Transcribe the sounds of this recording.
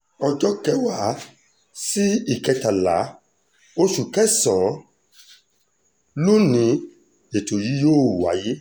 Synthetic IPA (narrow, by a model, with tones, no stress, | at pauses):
ɔ˧d͡ʒɔ˦kɛ˦wa˨˦ | si˦i˨kɛ˧ta˨la˨˦ | o˦ʃu˨kɛ˦sɔ̃˨˦ | lu˦nĩ˨˧˦ | e˨to˨ji˨˦joː˦˨wa˨˦ji˦